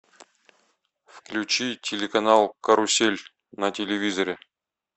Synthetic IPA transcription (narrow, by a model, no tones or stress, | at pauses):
fklʲut͡ɕitʲelʲɪkɐnɑlˠkɐɾusʲelʲ | nɐtʲɪlʲɪvʲizɐɾʲɪ